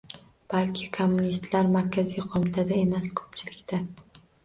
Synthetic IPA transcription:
b̥alkʲʰɪkʰomːunist̪laɾmaɾkʲʰazijqʰomɪt̪ʰad̪ae̞maskʰɵ̥pt͡ʃʰɪlɪkʲt̪ʰa

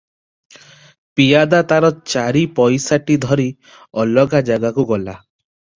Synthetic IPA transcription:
pijad̪at̪aɾɔt͡ʃaɾipɔjsaʈid̪ʱɔɾi | ɔlɔɡad͡ʒaɡakuɡɔla

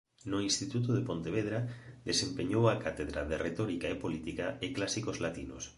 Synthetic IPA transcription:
nʊinst̪it̪ut̪̬oðepont̪eβeðɾad̪esempeɲowakat̪eðɾaðeret̪ɔɾikaepolit̪ikaɪklasikozlat̪inʊ̰s

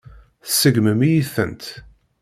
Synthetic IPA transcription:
θsːəɡməmijiθə̰nt̪

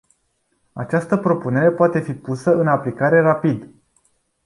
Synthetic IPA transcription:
a̰t͡ʃast̪əpɾo̞pune̞ɾe̞poat̪e̞fipusəɨnaplikaɾe̞rapid̪

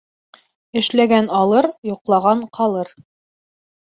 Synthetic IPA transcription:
ɘ̆ʃlæɡænɑlˠɤɾjŏqlˠɑʁɑɴqʰɑlˠɤɾ

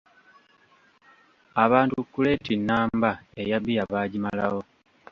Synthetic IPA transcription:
aβaːntukːule̞tinːaːmbae̞jaβijaβaːɟimalawo̞

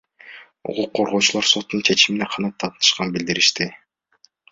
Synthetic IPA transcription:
ṵquqʰːoɾʁo̞ːt͡ʃulˠɑɾso̞t̪ːunt͡ʃʰe̞t͡ʃimineqʰɑnɑt̪ʰːɑt̪ɯnɯ̥ʃqɑnbild̪iɾiʃt̪i

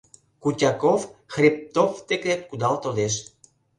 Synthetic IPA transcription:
kutʲɑkofxrʲip̚t̪oft̪ekep̪̚kud̪ɑlt̪od̪eʃ

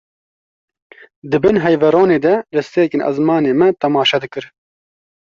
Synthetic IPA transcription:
d̪ɨbɨnɦɛjvɛɾoːneːd̪ɛlɛst̪eːkeːnʔɐ̰zmɑːneːmɛt̪ɛmɑːʃɛd̪ɨkɨɾ

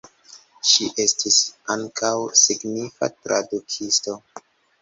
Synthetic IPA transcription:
ʃiʔe̞stisaŋkʰawsiɡnifa̰tɾadukʰisto̞

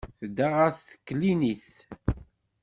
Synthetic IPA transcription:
θəd̪ːaʁaθθkːliniθ

